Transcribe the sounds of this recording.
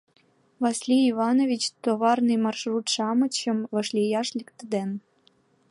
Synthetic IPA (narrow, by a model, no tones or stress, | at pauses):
vɑsʲlʲiːvɑnovʲit͡ɕt̪oβɑrnɨjmɑrʃrut̪ʂɑmɤ̆t͡ɕɤ̆mvɤ̆ʃlʲijɑʃlʲikt̪əd̪en